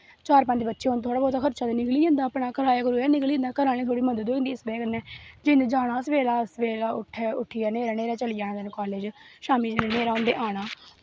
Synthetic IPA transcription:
t͡ʃaːɾpãːnd̪eːbətːʃeːɦõnt̪ʰoaːɽaːbɔːt̪akʰəɾt͡ʃaːd̪nɪkliːd͡ʒãːnd̪aːpɽaːkəɾaːjaːkoɾoːaːnɪklĩːnd̪aːkəɾaːlĩːt̪ʰoːɽiːmənd̪əd̪oːɪ̃nd̪iːsbɛːkənɛːd͡ʒɪnd̪eːd͡ʒaːɽ̃aːsəʋeːlaːsʋeːlaːʊʈʰːɛːʊʈʰːɪjaːneːɾaːneːɾaːt͡ʃəlɪjãːd̪ənkɔːleːd͡ʒʃaːmiːd͡ʒeneneːɾaːõnd̪ḛːʔaːɽaː

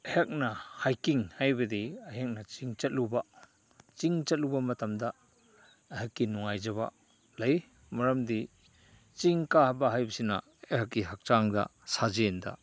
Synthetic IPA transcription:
ɐjek̚nɐhajkiŋhajbɐdiaɦek̚nɐt͡ʃiŋt͡ʃɐt̚luba | t͡ʃiŋt͡ʃɐt̚lubɐmɐtɐmdɐ | aɦakːinuŋajzɐba̰ | lɐj | mɐɾɐmdi | t͡ʃiŋkahabɐɦajbɐsina̰ | ehakːiɦak̚t͡ʃaŋdɐ̰sazenda̰

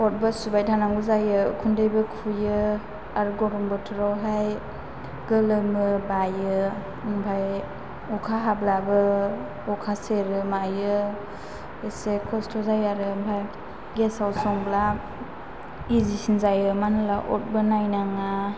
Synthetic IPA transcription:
ɔt̚bɯsubajtʰanaŋɡuzajɯkʰundɯjbɯkʰujɯ | aɾɡɔɾɔmbɔtʰɯɾɔwɦaj | ɡɯlɯmɯbajɯ | ŋbʰʱaj | ɔkʰaɦablabɯ | ɔkʰaseɾɯmajɯ | esekʰɔstʰɔzajaɾɯmbʰaj | ɡesawsɔŋbla | izisinzajɯmanɯlaʔɔ̰t̚bɯnajnaŋa

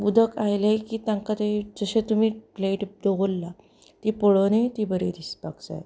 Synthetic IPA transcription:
bud̪ʱəkajlekiːt̪jãŋkat̪ed͡zəɕet̪um̤iːpleʈd̪oʋolːa | t̪ipoɭonet̪ibəɾed̪ispakt͡sa̰j

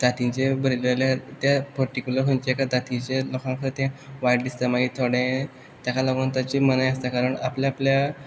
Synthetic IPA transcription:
d̪̥at̪ĩɲt͡ɕebəɾileljat̪japəɾʈikʲjuləɾkont͡ɕeekad̪at̪ĩt͡ɕelɔkãŋkəɾt̪jãʋajɖd̪ist̪əmaɡiːt̪ʰoɽẽ | t̪jakalaɡunt̪at͡ɕiːmənajəst̪akaɾəɳapljaaplja

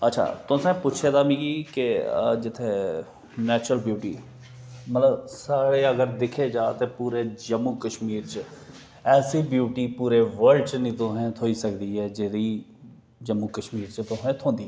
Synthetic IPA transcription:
ətːʃʰa̰ːt̪ʊ̃sɛ̃ːpʊt͡ʃʰeːd̪aːmĩːɡiːkɪd͡ʒɪt̪ʰːe | nɛːt͡ʃɾəlbjuːʈḭː | mət̪ləbsaːɽeːəɡəɾd̪ɪkʰeːd͡ʒaːt̪eːpuːɾeːd͡ʒəmːuːkəʃmiːɾt͡ʃə | ɛːsiːbjuːʈiːpuːɾeːʋəɾɖt͡ʃnĩːt̪oɦɛ̃t̪ʰoːiːsəkd̪iːɦɛːd͡ʒeɾiː | d͡ʒəmːuːkəʃmiːɾt͡ʃət̪oɦɛ̃ːt̪ʰõːnd̪iːɛ

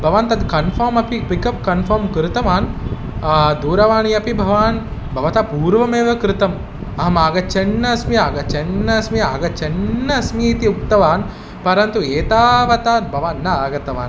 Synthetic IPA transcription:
bʱɐʋaːnt̪ɐd̪kɐnfʰɐːɾmɐpikikɐp̚kɐnfɐːɾmkɾɪt̪ɐʋaːn | d̪uːɾɐʋaːɳiɐpibʱɐʋaːnbʱɐʋɐt̪aːpuːɾʋɐmeːʋɐkɾɪt̪ɐm | ɐɦɐmaːɡɐt͡ʃɐnːɐsmiaːɡɐt͡ʃɐnːɐsmia̰ːɡɐt͡ʃɐnːɐsmiːt̪iukt̪ɐʋaːn | pɐɾɐnt̪ueːt̪aːʋɐt̪aːbʱɐʋaːnːɐaːɡɐt̪ɐʋa̰ːn

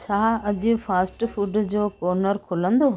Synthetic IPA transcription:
t͡ɕʰaːɐʄʊ̆faːsʈfuːɖd͡ʑoːkoːɾnəɾkʰʊlə̃nd̪oː

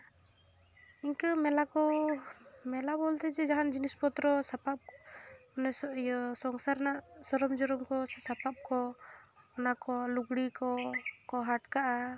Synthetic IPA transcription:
iɲkəmɛlakɔ | mɛlabɔlt̪ɛd͡ʒɛd͡ʒaɦand͡ʒinispɔt̪ɾɔsapap̚ɔnɛsɔɔsɔŋsaɾnaʔsɔɾɔmd͡ʒɔɾɔmkɔsapap̚kɔː | nakɔluɡɽikɔkɔɦaʈkaʔa

